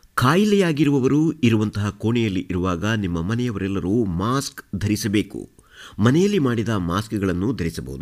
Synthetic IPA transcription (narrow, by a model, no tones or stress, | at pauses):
kʰaːjilɛjaːɡiɾuʋɐʋɐɾuiɾuʋɐnt̪ɐɦɐkoːɳɛjɐlːiʔiɾuʋaːɡɐnimːɐmɐnɛjɐʋɐɾɛlːɐɾumaːskd̪ʱɐɾisɐbe̞ːkṵ | mɐnɛjɐlːimaːɽid̪ɐmaːskɡɐɭɐnːud̪ʱɐɾisɐbɐ̰ɦud̪u